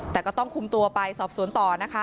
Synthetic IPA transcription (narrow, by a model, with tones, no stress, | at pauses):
t̪ɛː˨˩kɔː˥˩t̪ɔ˥˩ŋkʰu˧mt̪u˧ɐpa˧jsɔː˨˩p̚su˨˩˦nt̪ɔː˨˩na˦˥kʰa˦˥